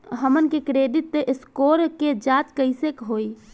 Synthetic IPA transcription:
ɦəmənkekɾedit̪ːskoɾked͡ʒat̪kəɪsekɦoj

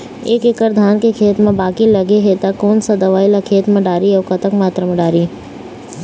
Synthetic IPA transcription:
eːkekəɾd̪ʱaːnkekʰeːt̪mẽbaːkilɐɡeɦet̪akɔːnsad̪ɐʋaːilakʰeːt̪mẽɖaːɾiɔːɾkɐt̪əkmaːt̪ɾamẽɖaːɾi

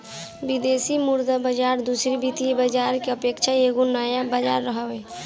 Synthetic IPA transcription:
bid̪esimuɾd̪abəd͡ʒaɾd̪usɾibit̪iebəd͡ʒaɾkeəpekt͡ʃʰaeɡonəjabəd͡ʒaɾːəɦəwe

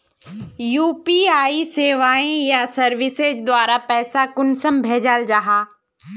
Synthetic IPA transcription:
juːpiaːiseːʋaːẽjasɐɾʋɪseːd͡ʑd̪waːɾapɛːsakʊnsəmbʱeːd͡ʑaːld͡ʒaːɦaː

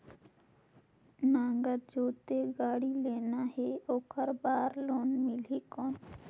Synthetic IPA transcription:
nãːŋɡəɾd͡ʒoːt̪eɡaːɽileːnaɦeoːkəɾbaːɾloːnmɪlikoːn

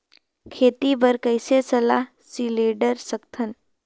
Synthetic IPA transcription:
kʰeːt̪ibəɾkəɪsesɐlaːɦ | sileːɖəɾsəkt̪ʰən

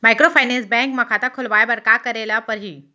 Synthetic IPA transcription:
maːɪkɾofaːɪnɛ̃ːnsbɛ̃ːŋkmɐ̃kʰãt̪akʰʊlʋaːjabɐɽkakɐɾeːlapɐɾɦiː

